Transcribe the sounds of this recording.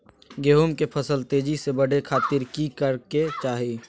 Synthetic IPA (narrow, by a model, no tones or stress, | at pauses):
ɡeːɦumkepʰəsəlt̪eːd͡ʒisebəɽ̤ekʰaːt̪ɪɾkikəɾket͡ʃaːɦi